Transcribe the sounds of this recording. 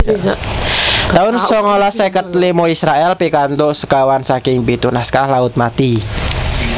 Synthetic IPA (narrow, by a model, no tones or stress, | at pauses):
t̪aʊnsɔŋolasakət̪limoisɾaɛlpikant̪oʔsə̥kawansakɪŋpit̪unaskalaʊt̪̚mat̪i